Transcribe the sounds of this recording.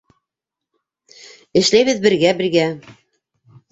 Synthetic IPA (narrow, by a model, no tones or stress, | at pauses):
ɘ̆ʃlæjβɘ̆ðbɘ̆ɾɡæbɘ̆ɾɡæ